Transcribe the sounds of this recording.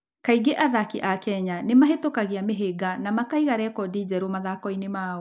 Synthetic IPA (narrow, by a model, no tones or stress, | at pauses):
kaiɡeʔaðakiʔakɛɲanemaɦetokaɣiameɦeɡanamakaiɣaɾɛkɔdid͡ʑɛɾomaðakɔinemaːɔ